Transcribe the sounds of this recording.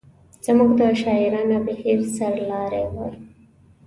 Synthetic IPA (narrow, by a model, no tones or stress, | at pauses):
z̥amuɡd̪əʃɑiɾɑnabɪheɾsaɾlɑɾewəl